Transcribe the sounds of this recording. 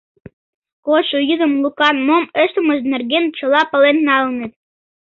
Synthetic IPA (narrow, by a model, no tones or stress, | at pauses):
koʃujizə̆mlˠukɑnmomɘ̆ʃt̪ɤ̆mɤ̆ʒd̪nɘ̆rɡʲent͡ɕɤ̆lˠɑpɤ̆lennɑlnet̪̚